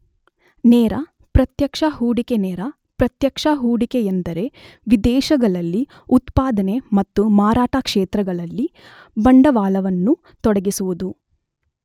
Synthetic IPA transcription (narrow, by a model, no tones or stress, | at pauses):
nɛːɾɐ | pɾɐt̪jɐkʂɐɦuːɽikenɛːɾɐ | pɾɐt̪jɐkʂɐɦuːɽikejend̪ɐɾe̞ | ʋid̪ɛːʃɐɡɐɭɐlːi | ut̪paːd̪ɐne̞mɐt̪ːumaːɾaːʈakʂeːt̪ɾɐɡɐɭɐlːi | bɐɳɖɐʋaːlɐʋɐnːu | t̪ɔɽɐɡisuʋud̪u